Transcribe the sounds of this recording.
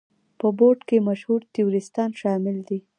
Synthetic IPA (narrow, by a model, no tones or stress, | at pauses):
pəboɾɖkemaʃhuɾt̪ɪjuɾɪst̪ɑnʃɑmɪld̪i